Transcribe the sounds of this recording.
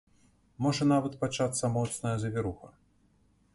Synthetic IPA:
mɔʐɐn̪avɐt̪pat͡ʂat̪sːɐmɔt̪snɐjɐzɐvʲɪɾuxɐ

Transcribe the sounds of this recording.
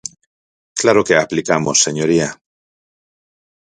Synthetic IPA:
klaɾoke̞aplikamo̞sːe̞ɲoɾia

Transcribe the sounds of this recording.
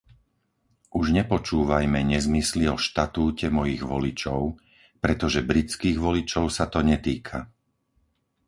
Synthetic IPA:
ʔuʒɲɛpɔt͡ʃuːʋajmɛɲɛzmisliɔʃt̪at̪uːcɛmɔjiɣʋɔlit͡ʃɔʊ | pɾɛt̪ɔʒɛbɾit͡skiːɣʋɔlit͡ʃɔʊsat̪ɔɲɛt̪iːkʰa

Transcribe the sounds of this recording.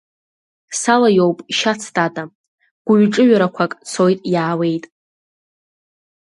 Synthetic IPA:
salajowpʼʃat͡sʰtʼatʼa | ɡ̥ʷʊɥʈ͡ʂʼɨɥᶣaɾakʷʰakʼt͡sʰo̞jtʼjaːwe̞jtʼ

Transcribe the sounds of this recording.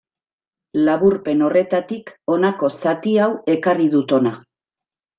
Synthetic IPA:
laβuɾpe̞no̞re̞t̪at̪iko̞nako̞sat̪iawe̞kariðut̪o̞na

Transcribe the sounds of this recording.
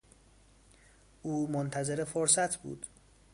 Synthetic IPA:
ʔuːmont̪ʰæze̞ɾefoɾsæt̪ʰbṵːd̪̥

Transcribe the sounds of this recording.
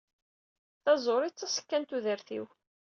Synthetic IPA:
θɑzˤoɾˤit͡sːɑsə̥kːænt̪uðəɾθḭw

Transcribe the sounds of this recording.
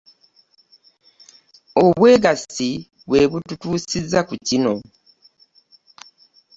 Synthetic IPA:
oβwe̞ːɡasi | βwe̞βututuːsizːakucino̞

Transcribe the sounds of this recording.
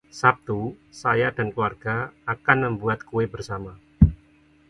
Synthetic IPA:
sap̚t̪usajadankluwarɡ̥aakanməmbuat̪̚kuebərsama

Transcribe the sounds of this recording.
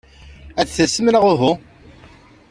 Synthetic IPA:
æt͡sθəsːəmnəʁʊɦu

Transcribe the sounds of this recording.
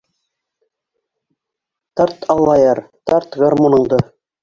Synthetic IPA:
t̪ɑɾt̪ʰɑlˠːɑjɑɾt̪ɑɾt̪ɡɑrmonɤ̆ɴd̪ɤ

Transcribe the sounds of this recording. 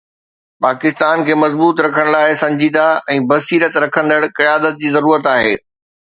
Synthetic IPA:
paːkɪst̪aːnkʰeːmɐzbuːt̪ɾɐkʰəɽ̃laːɪsɐ̃ɲd͡ʑiːd̪aɛ̃ːbɐsiːɾət̪ɾɐkʰə̃nd̪əɽkɐjaːd̪ət̪̚d͡ʑiːzɐɾuːɾət̪aːɦeː

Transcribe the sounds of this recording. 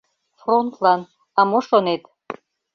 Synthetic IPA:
front̪ʰlan | amoʂonejtʼ

